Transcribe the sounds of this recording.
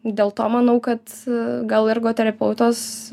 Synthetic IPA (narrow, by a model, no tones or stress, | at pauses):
d̪ʲeːlˠt̪oːmɐnɐʊkɐt̪ɡɐlˠɪɾɡoːt̪ʲɛɾʲɐpʲɛʊt̪oːs